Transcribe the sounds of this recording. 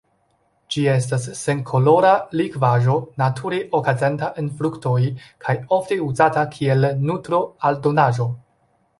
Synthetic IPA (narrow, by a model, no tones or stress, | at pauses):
d͡ʒie̞stasːe̞nkʰo̞lo̞ɾalikvaʒo̞natʰuɾeʔokazentaʔenfɾukto̞jkʰajo̞fte̞uzatakʰie̞lnutɾo̞aldo̞naʒo̞